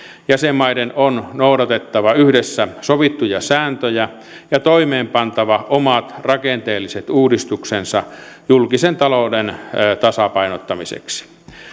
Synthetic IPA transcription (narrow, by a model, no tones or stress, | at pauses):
jæsemːɑidenonnoudɑt̪et̪ːɑʋɑyhdesːæsoʋit̪ːujɑsæːnt̪øjæ | jɑt̪oimeːmpɑnt̪ɑʋɑʔomɑt̪rɑkent̪eːlːiset̪uːdist̪uksensɑjulkisent̪ɑloudent̪ɑsɑpɑinot̪ːɑmisḛksi̥